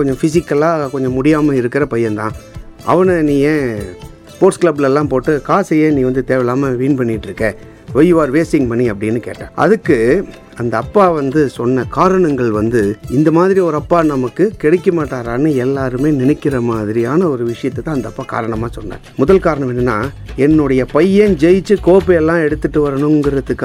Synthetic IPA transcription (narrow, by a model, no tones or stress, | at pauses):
kɔɲd͡ʒɔ̃fɪsɪkːɐlaːkɔɲd͡ʒɔ̃mʊɽɪjaːmɐɪɾɯkːɪɾɐpɐjːɐnt̪ãːɐ̰ʋɐnɐnĩːjẽː | spoːʈskɭɐblɛlːãːpoːʈːɯkaːsɐjeːnĩːʋɐnd̪ɯt̪eːʋɛlaːmɐʋiːnpɐɳːɪʈːɾɯkːɐ | ʋɐjɯʋaːɾʋeːsɪŋpɐɳːiɐpːɐɽɪnːɯkḛːʈːã̰ːʔɐ̰ðɯkːɯ | ɐnd̪ɐːpːaːʋɐnd̪ɯsɔnːɐkaːɾɐɳɐŋɡɐɭʋɐnd̪ɯɪnd̪ɐmaːðɪɾiɔɾɯɐpːaːnɐmɐkːɯkɛɽɛkːɐmaːʈːaːɾaːnːɯɛlːaːɾɯmeːnɪnɛkːɪɾɐmaːðɪɾɪjaːnɐɔɾɯʋɪʂɐjɐt̪ːɛt̪ːãːɐnd̪ɐɐpːaːka̰ːɾɐɳɐmaːsɔnːa̰ːɾmʊðɐlkaːɾɐɳɐmɛnːɐnːaː | ɛnːɯɽɐjɐpɐjed͡ʒɛjɪt͡ʃːɯkoːpɛɛlːãːɛɽɯt̪ːɯʈːɯʋɐɾɐɳʊ̃ŋɡɪɾɐðɯkː